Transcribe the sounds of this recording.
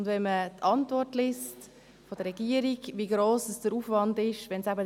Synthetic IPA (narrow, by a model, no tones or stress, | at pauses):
ndvɛnmətʰɑntvɔrtlɪst | fodəɾʁɛɡiəɾiɡviːɡɾoːsəsd̥əɾuːfvɑndɪʃʋɛnsæbə